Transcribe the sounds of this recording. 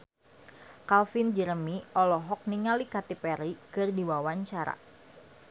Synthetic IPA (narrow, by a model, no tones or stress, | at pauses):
kalfind͡ʒəɾəmiʔɔlɔɦɔk̚niŋalikat̪ipɛɾikɨrdiwawaɲt͡ʃaɾa̰